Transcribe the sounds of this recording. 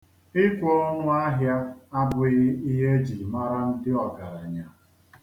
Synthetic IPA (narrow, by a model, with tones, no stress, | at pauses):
ɪ˦kʷo˦o˦ŋʊ˦a˦ɦja˦a˦bʊ˨ɣɪ˦i˦ɦe˦d͡ʒi˨ma˦ɾa˦n̩˦dɪ˦ɔ˨ɡa˨ɾa˨ɲa˨